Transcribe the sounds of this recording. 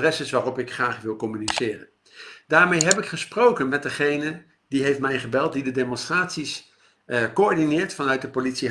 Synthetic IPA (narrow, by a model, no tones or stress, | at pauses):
rɛsɪsʋaːrɔpɪkχraːχʋɪlˠkɔmynisɪːrə̰n | d̥aːɹmejɦɛpɪkχəsprowkənmɛt̚dəχejnə | diɦejftmɛjχəbɛlˠt̚didədejmɔnstraːtsis | koɔɹdinɪːɹtfɑnœɥt̚dəpolitsi